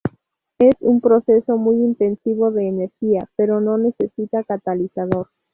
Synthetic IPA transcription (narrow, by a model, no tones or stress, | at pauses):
esumpɾo̞sesomujint̪e̞nsiβoðeːneɾxiapeɾo̞nõ̞ne̞sesit̪akat̪alisað̞oɾ